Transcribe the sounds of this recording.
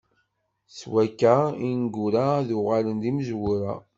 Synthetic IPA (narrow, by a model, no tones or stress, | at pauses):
swækːæinɡuɾaðʊʁalənd̪iməzwʊɾæ